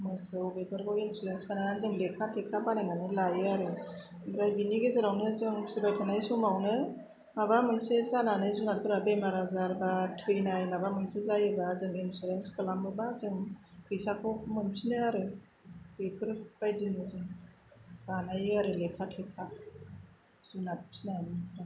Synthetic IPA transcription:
mɯsɯwbepʰɯɾkɔinsuɾenskanaanzɯŋlekʰatʰekʰabanajŋanɯlajɯaɾɯ | bɾajbiniɡezaɾawnɯzɯŋsibajtʰanajsɔmawnɯ | mabamɯŋsezananɯjzunatkʰɯɾabejmaɾazaɾbatʰɯjnajmabamɯŋsezajɯbazɯŋinsuɾenskɯlamɯbazɯŋkʰɯjsakʰɔmɯmsʰinɯaɾɯ | ɾepʰɯɾb̥ajzinɯzɯŋ | b̥anajɯaɾɯlekʰatʰekʰa | zunat̚sinanmɯpʰɯɾa

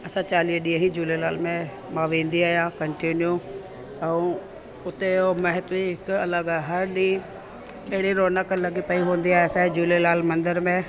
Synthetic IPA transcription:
ɐsãt͡ɕaːliːɗĩẽɦid͡ʒuːlelaːlmẽ | mãːʋẽːnd̪iaːjãkɐɳʈinju | ɛũ | ʊt̪eomɐɦɪt̪ʋiɦɪkɐləɡaːɦɐɾɗĩː | eɦɽiɾoːnakəlɐɡipɐiɦõːnd̪iaːɦeɐsãid͡ʒuːlelaːlmɐ̃nd̪əɾmẽ

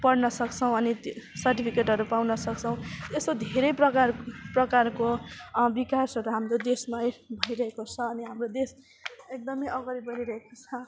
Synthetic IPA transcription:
pʌɽnʌsʌkt͡sʰʌ̃w̃ʌnisʌrʈipʰikeʈɦʌɾupawnʌsʌk̚t͡sʰʌ̃w̃t̪esod̪ʱeɾʌjprʌkarprʌkarkobikasʌɾuɦamɾod̪esmajbʱʌjɾʌɦekot͡sʰʌːniɦamrod̪es | ek̚d̪ʌmʌjʌɡʌɾibʌɦiɾʌɦekot͡sʰʌ

